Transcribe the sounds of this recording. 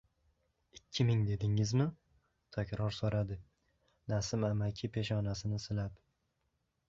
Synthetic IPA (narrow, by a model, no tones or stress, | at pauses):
ɪkʲʰːɪmɪŋd̪e̞d̪ɪŋɪzmɪ | t̪ʰakʲɾɒɾsoɾad̪ɪ | nasɪmamakʲʰɪpʰe̞ʃɒnasɪnɪsɪlap